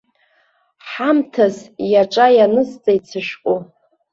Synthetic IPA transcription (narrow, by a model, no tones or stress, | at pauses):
ħamtʰazjaʈ͡ʂʼajanɨst͡sʼajt͡sʰɨʃkʷʼu